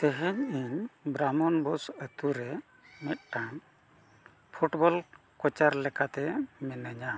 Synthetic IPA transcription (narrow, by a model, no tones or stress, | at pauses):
t̪ɛɦɛɲiɲbɾamɔnbɔsət̪uɾɛ | mɛt̪̚ʈaŋ | pʰuʈbɔl | kɔt͡ʃaɾlɛkat̪ɛmɛnəɲa